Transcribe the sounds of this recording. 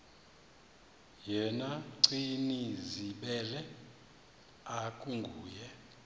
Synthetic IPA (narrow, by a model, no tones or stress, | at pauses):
jɛnaǀiniziɓɛlɛ | akʼuŋɡʱuːjɛ